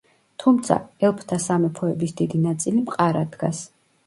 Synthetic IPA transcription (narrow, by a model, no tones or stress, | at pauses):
t̪ʰumt̪sʰa̰ɛlˠpʰt̪ʰasamɛpʰɔɛbisd̪id̪inat̪sʼilimqʼaɾad̪ɡas